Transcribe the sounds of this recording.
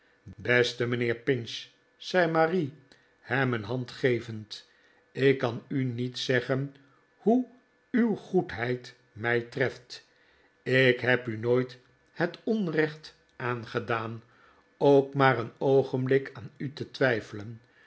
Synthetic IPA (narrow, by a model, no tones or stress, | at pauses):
bɛstəmənɪːɹpɪns | sɛjmari | hɛmənɦɑntχejvənt | ɪkːɑnynitsɛχən | hu | ywχutɦɛjt | mɛjtrɛft | ɪkɦɛpynoːjt | hətɔnrɛχt | ʔaːnχədaːn | owkmaːɾənowχənblɪkaːnytətʋɛjfələn